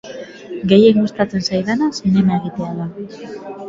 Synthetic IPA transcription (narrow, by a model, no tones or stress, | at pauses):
ɡe̞je̞ŋɡust̪at͡se̞nsajðanasine̞mae̞ɣ̞it̪e̞aða